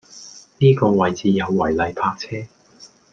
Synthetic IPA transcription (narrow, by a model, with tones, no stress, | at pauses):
niː˥kɔː˧wɐ˨jt͡siː˨˧jɐ˨˧wːɐ˨˩jlɐ˨jpʰaː˧k̚t͡sʰɛː˥